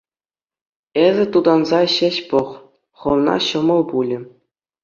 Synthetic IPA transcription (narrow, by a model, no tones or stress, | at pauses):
ezʲɘ̆t̪ud̪ɑnzɑɕĕɕpɤ̆χ | χɤ̆ʋnɑ̰ɕɤ̆mɤ̆lˠpulʲɘ̆